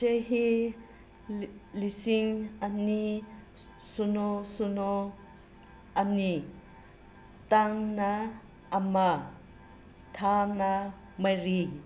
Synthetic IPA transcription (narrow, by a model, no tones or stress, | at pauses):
t͡ʃeɦi | lisiŋani | sunosuno | ʔɐni | t̪aŋna | ʔːma | t̪ʰana | maɾi